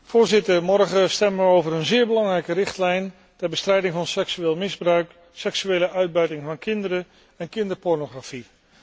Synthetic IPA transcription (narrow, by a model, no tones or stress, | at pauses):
v̥ʊːɹzɪtəɹmɔɹχəstɛməʋəowvəɾənzɪːɹbəlɑŋrɛjkərɪχtlɛjn | tɛɹbəstrɛjdɪŋvɑnsɛksyʋeːlˠmɪzbrœɥk | sɛksyejləʔœɥd̚bœɥtɪŋvɑnkɪndəɾə | ɛnkɪndəɹpɔɹnoχrafi